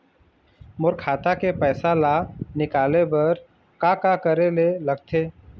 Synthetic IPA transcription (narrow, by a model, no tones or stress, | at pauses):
mʊɾkʰaːt̪akepɛːsalanɪkaːlebɐɾ | kakakəɾelelɐɡt̪ʰeː